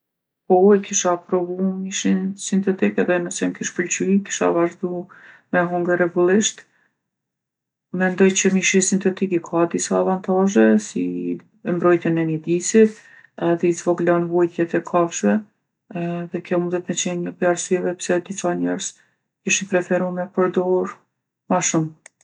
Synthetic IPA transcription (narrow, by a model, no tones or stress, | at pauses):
pɔɛkiʃapɾɔvumiʃinsint̪ɛt̪ikɛðɛnəsɛmkiʃpəlt͡ʃyki̥ʃa̰vaʒd̪u | mɛɦɔŋɡəɾɛɡulˠiʃt̪ | mɛnd̪ɔjt͡ɕəmiʃisint̪ɛt̪ikikʰad̪isaːvant̪aʒɛsi | ɛmbɾɔjt̪ənɛnəd̪isit̪ | ɛðɛizvɔɡlɔnvujt̪jɛt̪ɛkʰafʃvɛ | ðɛkjɔmund̪ɛt̪mɛt͡ʃɛnəplaɾsyɛvɛpsɛd̪isaɲɛɾz | kiʃinpɾɛfɛɾumɛpəɾd̪ɔuɾ | maʃum